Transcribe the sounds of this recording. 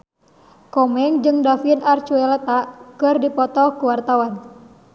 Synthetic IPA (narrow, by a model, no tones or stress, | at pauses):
kɔmɛŋd͡ʒɨŋdafinart͡ʃuɛlɛt̪aʔkɨrdipɔt̪ɔkuwart̪awan